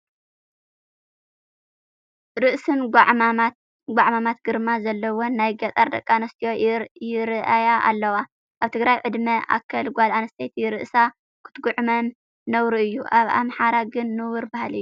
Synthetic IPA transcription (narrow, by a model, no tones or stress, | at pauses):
ɾɨʔsɨnɡʕaat̪ | ɡʷaʕmamat̪̚ɡ̥ɨɾmazɐlːɐwonajɡɐt̪ʼɐɾd̪ɐkʼːanɐst̪ʰijojɪɾʔajaʔa̰lːɐwa | ʔaβt̪ʰɨɡɾajʕɨd̪mɐʔa̰kʰːɐlɡʷalanɐst̪ʰet̪ʰiɾɨʔsa | kʰɨ̥t̪ɡʊʕmɐnː | ɐwɾuɨjːuʔaβa̰mħaɾaɡɨnːɨwɨɾbahalɨjːu